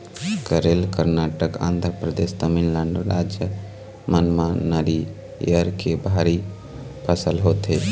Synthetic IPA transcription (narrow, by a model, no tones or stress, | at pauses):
kəɾelkəɾnaːʈəkã̰ːnd̪ʱɾpɾəd̪est̪əminləɳɖɾad͡ʒjə | mənmanəɾi | ḛəɾkebʱaɾi | pʰəsəlɦoːt̪e